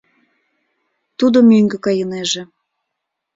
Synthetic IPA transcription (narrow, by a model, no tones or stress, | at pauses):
t̪ud̪omøŋɡĕkɑjɤneʒĕ